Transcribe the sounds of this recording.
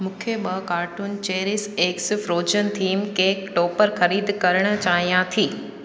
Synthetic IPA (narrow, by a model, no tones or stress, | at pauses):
mũːkʰeɓɐkaːɾʈun̆t͡ɕeːɾɪseːksɪfɾoːd͡ʑən̆t̪ʰiːmkeːkʈoːpəɾxɐɾiːd̪kɐɾəɽ̃̆t͡ɕaːɦijãt̪ʰiː